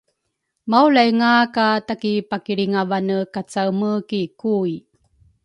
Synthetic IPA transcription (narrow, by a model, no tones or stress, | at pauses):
mawlajŋakatakipakiɾiŋavanəkat͡sawməkikui